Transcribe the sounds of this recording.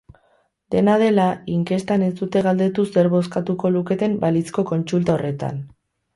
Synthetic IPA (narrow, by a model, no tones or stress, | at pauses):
d̪e̞nað̞e̞laiŋke̞st̪ane̞sd̪ut̪e̞ɣald̪e̞t̪use̞ɾβo̞s̬kat̪uko̞luke̞t̪e̞mbalit͡sko̞ko̞nt͡sult̪aore̞t̪a̰n